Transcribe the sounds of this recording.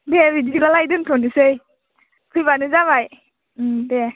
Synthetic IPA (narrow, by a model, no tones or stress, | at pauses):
debidiɡalajdɯntʰonisɯj | pʰɯjbanɯzaβaj | de